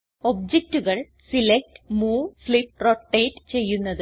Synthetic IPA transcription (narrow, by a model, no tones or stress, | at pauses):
ob̚d͡ʑek̚tuɣɐɭ | silek̚tmuːfɭip̚roʈːeːtt͡ɕe̞jːunːɐðɨ